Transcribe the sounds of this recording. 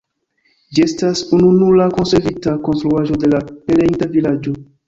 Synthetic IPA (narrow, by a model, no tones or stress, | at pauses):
d͡ʒiestasununulako̞nseɾvitako̞nstɾuaʒo̞de̞lapeleitavilad͡ʒo